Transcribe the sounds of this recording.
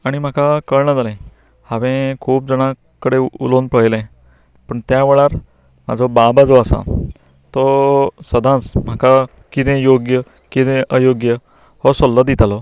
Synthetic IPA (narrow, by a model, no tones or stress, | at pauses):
aɽ̃im̤akakəɭɳəd͡zalɛ̃ | haʋẽkʰuːp̚d͡zəɽ̃ã | kəɽeṵlonpəjlẽ | pəɳt̪jaʋeɭaɾ | m̤a̰d͡zʱɔbabad͡zoasa̰ | t̪ɔsəd̪ʱãsm̤aka | kit̪ẽjoɡjə | kit̪ẽʔəjoɡjə | hɔɾsɔlːəd̪it̪alɔ